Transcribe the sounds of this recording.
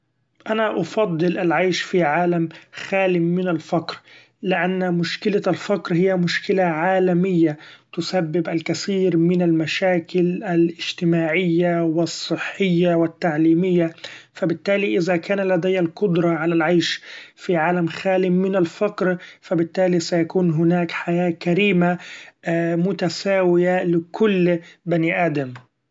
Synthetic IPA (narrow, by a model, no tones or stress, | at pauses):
ʔanaʔɑfɑd̪ˤːɨlʔalʕajʃfiʕaːlamxaːlɪmːɪnalfaqɾ | lɪʔanːmʊʃkɪlalfakɾhɪjːamʊʃkɪlaʕaːlamɪjːat̪ʊsabːɪbʔalkaθiːɾmɪnalmaʃaːkɪlalʔɪd͡ʒ̥t̪ɪmaːʕɪjːawɪsˤːɨħːɪjːawɪt̪ːaʕliːmɪjːafabɪt̪ːaːliʔɪðakaːnalad̪ajːalqʊd̪ɾˤɑʕalalʕaːʃfiʕaːlamxaːlɪːɪnalfɑqɾfabɪt̪ːaːlisajakuːnɦʊnaːkħajaːkaɾiːma | mʊt̪asaːwɪjalɪkʰʊlːbaniʔaːd̪am